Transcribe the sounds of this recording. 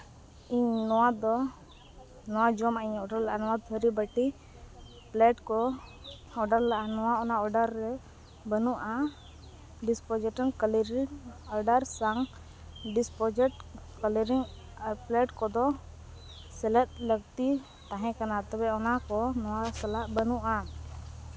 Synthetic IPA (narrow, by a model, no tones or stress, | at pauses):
iɲnɔwad̪ɔ | nɔwad͡ʒɔmaiɲɔɖaɾlaʔanɔwad̪ʱəɾibəʈi | plɛʈkɔ | ɔɖaɾlaʔanɔwaɔnaɔɖaɾːɛ | bənuʔa | ɖispɔd͡ʒɛʈənkləɾiaɾɖaɾsaŋ | ɖispɔd͡ʒʈ | kələɾiŋ | plɛʈkɔd̪ɔ | sɛlɛt̪̚ləɡ̚t̪i | t̪ãɦɛ̃kanat̪ɛbɛɔnakɔnɔwasalaʔbənuʔa